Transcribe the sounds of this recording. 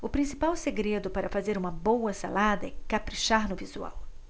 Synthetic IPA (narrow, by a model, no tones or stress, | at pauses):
ʊpɾĩsi̥pawseɡɾed̪ʊpaɾɐfazeɾũmɐbowɐsa̰lad̪ɐɛkapɾiʃaɾnʊvizua̰w